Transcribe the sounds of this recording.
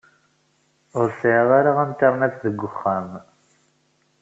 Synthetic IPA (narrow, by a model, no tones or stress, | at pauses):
ʊɾsʕðaɾaʁæmt̪ɑɾˤnæt͡sðəɡʷːʊχːæm